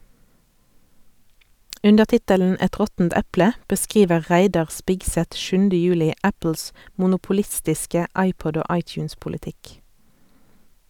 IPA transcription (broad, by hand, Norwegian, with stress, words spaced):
ˈʉndəʁ ˈtɪtəln̩ ˈɛt ˈʁɔtn̩t ˈɛplə bəˈskʁiːʋə ˈʁæɪdɑʁ ˈspɪɡsɛt ˈʃʉndə ˈjʉːlɪ ˈæpl̩s mʊnʊpʊˈlɪstɪskə ˈɑɪˌpɔd ˈoː ˈɑɪt͡ʃʉːnspʊləˌtɪk